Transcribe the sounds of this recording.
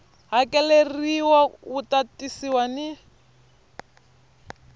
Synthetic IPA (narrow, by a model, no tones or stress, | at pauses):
ɦakʼɛleriwautatʼisiwani